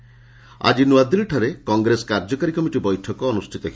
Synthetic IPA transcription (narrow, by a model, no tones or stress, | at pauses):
a̰d͡ʒinuad̪ilʈʰaɾekɔŋɡɾesɔ̥kaɾd͡ʒɔkaɾikɔmiʈibɔjʈʰɔkɔːnusʈʰit̪ɔkʰi